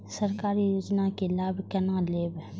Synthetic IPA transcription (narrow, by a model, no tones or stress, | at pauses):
səɾkaːɾijoːd͡ʒnakelaːbʱkɐnãleːb